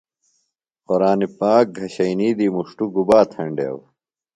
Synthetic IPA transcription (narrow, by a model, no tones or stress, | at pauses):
qoɾaːnipaːk̚ɡʱɐɕɐiniːd̪iːmuʂʈuɡubaːt̪ʰɐɳɖḛːw